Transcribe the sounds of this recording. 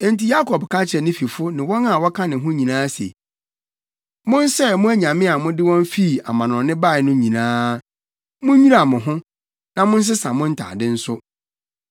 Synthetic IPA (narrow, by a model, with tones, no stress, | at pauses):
e˨n̩˨ti˨ja˦kʰɔ˨bkʰã˦t͡ɕʰɛ˨nɪ̃˦fi˨fʊ˦nɪ̃˨wɔ˦na˦˨wɔ˦kʰã˦nɪ̃˨ɦʊ̃˦ɲĩ˨nãː˦sḛ˨ | mʊ̃˦n˦sɛ˦˨mʊ̃˦æ˦ɲã˨mɪ̃˦a˨mʊ̃˦dɪ˦wɔ̃˦n˦fi˦˨a̰˨mã˨nɔ̃˨˦nɪ̃˦ba˦˨ɪ˨nʊ̃˦ɲĩ˨nãː˦ | mʊ̃˦ɲi˦ɾa˨mʊ̃˨ɦʊ̃˦ | nã˨mʊ̃˦n̩˦s̬ɪ˦sã˨mʊ̃˦n̩˦tʰa̰˨dɪ˦n̩˦sʊ˦